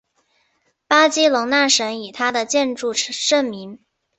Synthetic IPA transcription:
pa˥t͡ɕi˥lʊ˧˥ŋna˥˩ʂə˧˥ni˨˩t̪ʰa˥d̪ə˨t͡ɕjɛ˥˧nʈ͡ʂu˥˧ʂə˥˩nmi˧˥ŋ

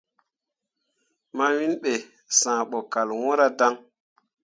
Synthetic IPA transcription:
ma˦wi˦nɓe˨ | sãː˨ɓɔ˨ka˨lwɔ̃˦ɾa˦da˦ŋ

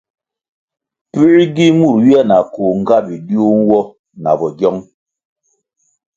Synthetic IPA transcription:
pi˦ɾɡi˦mu˦˨ɾwi˦a˦˨na˨ko˨ŋ̩˦˨ɡa˦bi˨di˦o˦nwɔ˦ | na̰˨bɔ˨ɡjɔ˦ŋ

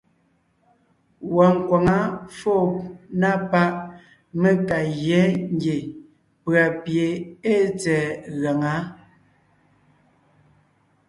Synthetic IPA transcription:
wa˨ŋ̩˨kwa˨ŋa˦fo˦˨na˦˨pa˦ʔ | me˦ka˨ɣɛ˨˦ŋ˦ɡje˨ | pɰa˨pje˨e˦t͡sɛː˨ɣa˨ŋa˨˦

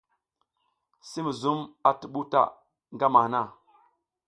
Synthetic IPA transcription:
si˦mi˨zu˦ma˨ti˨ɓu˦ta̰˦˨ | ŋɡa˦ma˨na˦˨

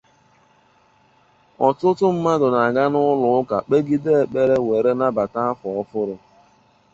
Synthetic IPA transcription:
ɔ˨tʊ˦tʊ˦m̩˦ma˦dʊ˨na˨ɡa˦nʊ˦lʊ˨˦ʊ˦ka̰˨k͡pe˦ɡi˦de˦e˨k͡pe˦ɾe˦we˨ɾe˦na˦ba˨ta˦a˦fɔ˨ɔ˦fʊ˦ɾʊ˦

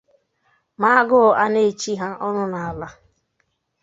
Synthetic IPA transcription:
ma˦a˦ɡʊ˦˨a˦ne˦˨t͡ʃi˦ɦa˦ʔɔ˦nʊ˦na˨a˨la˦

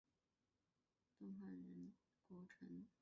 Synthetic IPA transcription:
t̪ʊ˥˧ŋxa˥˩ɪɻə˧˥n | kwɔ˧˥ʈ͡ʂʰɤ˧˥ŋ

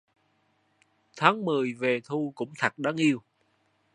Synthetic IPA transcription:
t̪ʰaː˨˦ŋmɨ˨˩əjve˨˩t̪ʰu˧kʊ̰˧˥ŋ͡mt̪ʰə˨˩k̚ɗa˨˦ŋʔi˧əw

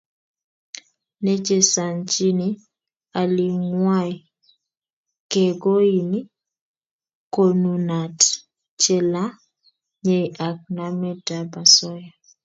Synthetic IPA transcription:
nɛ˦d͡ʒe˨sa˨nt͡ʃi˦ni˦ | a˨li˨ŋwa˦j | kɛ˨ɡo˦i˨ni˦ | ko˨nu˨na˨t | t͡ʃɛ˦la˦ | ɲe˨jʔa˨k̚na˦mɛ˦da˨ba˨sɔ˦ja˨

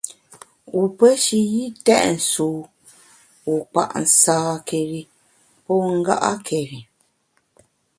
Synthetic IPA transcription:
wu˨pə˦ʃi˨ji˦tɛ˦ʔn̩˨suː˨˦ | wu˨k͡pa̰˨ʔn̩˨saː˦ke˨ɾi˨ | pɔ˦ŋ̩˦ɡa̰˦ʔa̰˦kʰe˨ɾi˨

